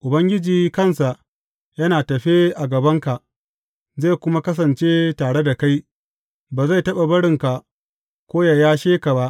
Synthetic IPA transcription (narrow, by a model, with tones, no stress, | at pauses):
ʔʊ˨bɐ˦ŋɡʲɪ˦d͡ʒiː˨kɐ˦˨nsa˨ʔ | jɐ˦naː˨tɐ˨ɸe˦ʔa˨ɡɐ˨bɐ˦ŋka˨ʔ | za˦˨kʷʊ˦ma˦kɐ˦s̬ɐ˨nt͡ʃe˦taː˨ɽe˦da˨ka˦j | baː˨za˦˨jtɐ˦ɓa˨bɐ˦ɽɪ˨ŋka˨ʔ | kʷoː˦ja˨jaː˦ʃeː˦ka˨ba˦ʔ